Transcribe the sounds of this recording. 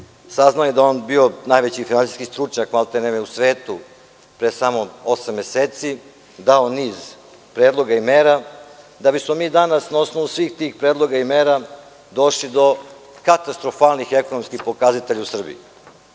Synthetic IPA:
saznaojed̪aoːnbio̞najʋet͡ɕifinant̪i̥skist̪ɾut͡ʃɲakmalˠt̪enemjeusʋe̞ːt̪u | pɾesamoo̞samːe̞seːt̪si | d̪ao̞niːz | pɾeːd̪lˠo̞ɡaimeːɾa | d̪abismo̞miːd̪anasnao̞sno̞ʋusʋiːxt̪iːxpɾe̞ːd̪lˠo̞ɡaimeːɾa | d̪o̞ʃlid̪o̞kat̪ast̪ɾofaːlnixeko̞no̞mskixpo̞kazat̪eʎausr̩bḭi

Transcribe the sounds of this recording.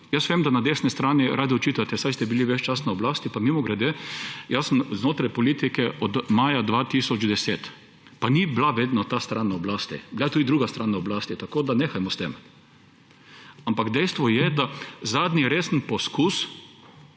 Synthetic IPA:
jəsʋʲemd̪anad̪eːsnɛst̪ɾaːniɾʔaːd̪iɔt͡ʃiːt̪at̪ɛsajst̪ɛbiliʋɛt͡ʃt͡ʃasnaɔblaːst̪ipamimɔɡɾɛd̪ejasəmznoːt̪ɾajpɔliːt̪ikɛʔɔd̪maːjad̪ʋat̪isɔd͡ʒd̪ɛseːt̪ | paniblaʋeːd̪nɔt̪ast̪ɾanːaɔblast̪ḭblat̪uːd̪id̪ɾuːɡast̪ɾanaɔblaːst̪it̪akoːd̪aneːxajmɔst̪em | ampakd̪ɛjst̪ʋɔjɛd̪azaːd̪niɾeːsənpɔskus

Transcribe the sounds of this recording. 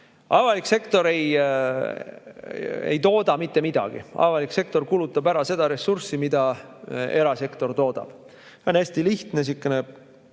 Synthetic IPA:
ʔɑvɑlikse̞kt̪o̞ɾe̞j | ḛjt̪o̞ːd̪̥ɑmit̪ːe̞mid̪̥ɑ̰ɡ̥ḭɑ̰vɑlikse̞k̚t̪o̞rkulut̪ːˑɑbæɾɑse̞d̪̥ɑɾe̞sursimid̪ɑ | e̞ɾɑse̞kt̪o̞rt̪o̞ːd̪̥ɑ̰b̥ | seo̞næsʲt̪iliht̪nes̬ikːene

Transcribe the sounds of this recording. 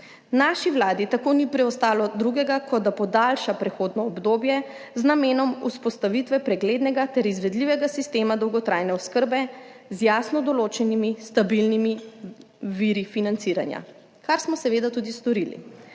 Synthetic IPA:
naʃiʋlaːd̪it̪akoːnipɾɛɔst̪aːlɔd̪ɾuɡɛɡakʰɔd̪d̪apɔd̪alʃapɾɛxoːd̪nɔːbd̪oːbjɛznameːnɔmuspɔst̪aʋit̪ʋɛpɾɛɡleːd̪nɛɡat̪ɛɾizʋɛd̪liʋɛɡasist̪eːmad̪ɔwɡɔt̪ɾʔajnɛɔskəɾbɛ | zjasnɔd̪ɔloːt͡ʃɛnimist̪abilnimi | ʋiɾifinant̪siːɾa̰nja̰ | kaɾsmɔsɛʋeːd̪at̪uːd̪ist̪ɔɾilḭ

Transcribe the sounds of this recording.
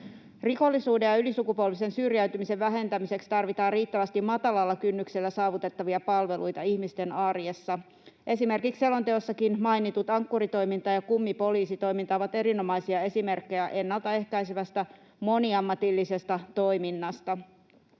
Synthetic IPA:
riko̞lːisuːde̞jɑylisukupuolʋise̞nsyrjæyt̪ymise̞ʋʋæɦe̞nt̪æmise̞kst̪ɑrʋit̪ɑːriːt̪ːæʋæst̪immɑt̪ɑlɑlːɑkynːykselːæsɑːʋut̪e̞t̪ːɑʋiɑpɑlʋe̞lʔujt̪ɑiçmist̪e̞nɑrje̞sːɑ | ʔe̞sime̞rkikselːo̞nt̪eosːɑkinmɑjnit̪ut̪ɑŋkːuɾit̪o̞jmint̪ɑːjɑkumːipo̞liːsit̪o̞jmint̪ɑːʋɑt̪e̞ɾino̞mɑjsiɑe̞sime̞rkːe̞jæʔe̞nːɑlt̪ɑe̞hkæjseʋæst̪æ | mo̞niɑmːɑt̪ilːise̞st̪ɑt̪o̞jminːɑst̪ɑ

